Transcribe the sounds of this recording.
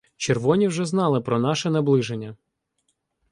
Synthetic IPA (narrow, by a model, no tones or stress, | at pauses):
t͡ʃerʋɔnʲiwʒɛznɑlˠɪpɾɔnɑʃɛnɐblˠɪʒenʲːɐ